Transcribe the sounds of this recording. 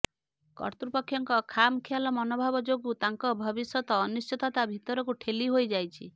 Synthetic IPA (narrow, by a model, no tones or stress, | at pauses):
kɔ̰ɾt̪ɾupɔkʰːjɔŋkɔkʰamkʰijalɔmɔnɔbʱabɔd͡ʒoɡut̪aŋkɔbʱɔbisjɔt̪ɔːnust͡ʃɔt̪at̪abʱit̪ɔɾɔkuʈʰeliɦojd͡ʒajt͡ʃʰi